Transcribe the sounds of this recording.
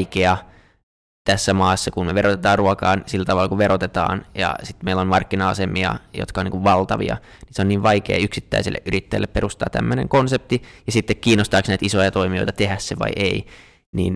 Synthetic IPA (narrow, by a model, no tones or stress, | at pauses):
keɑ | t̪æsːæmɑːsːɑkunmeʋerot̪et̪ɑːrruɑkɑːnsilːæt̪ɑʋɑlːɑkuʋʋeɾot̪et̪ɑ̰ːnjɑ̰sit̪meilːonmɑrkːinɑɑsemiɑ̰jo̰t̪kɑoniːŋkuʋʋɑlt̪ɑʋḭɑ̰ | niseoniːʋʋɑikḛːyksit̪ːæ̰isilːḛʔyɾit̪ːæilːepeɾust̪ɑ̰ːt̪æ̰mːønḛŋkonsep̚t̪ijɑsit̪ːekkiːnːost̪ɑːksnæit̪isojɑt̪oimioit̪ɑt̪ehæsseʋɑ̰iʔei | nḭːn